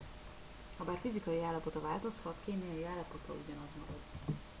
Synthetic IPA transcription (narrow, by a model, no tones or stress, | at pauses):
hɒbaːrfizikɒjiaːlːɒpo̞t̪ɒvaːlt̪o̞shɒt̪keːmijɒjiaːlːɒpo̞t̪ʰɒ̰ṵɟɒnɒzmɒɡɒd̪